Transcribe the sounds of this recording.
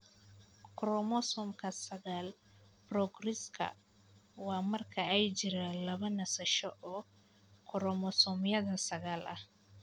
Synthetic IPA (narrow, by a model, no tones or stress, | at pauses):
kɾɔmɔsɔmkʰɐsɐɣaːl | pɾɔɡɾɪskʰɐ̰ | waːmɐrkʰɐɛjd͡ʒɪɾalɐβɐnɐsɐʃɔʔɔː | kʰɔɾɔmɔsɔmjɐðɐsɐɣaːlʔɐ̰h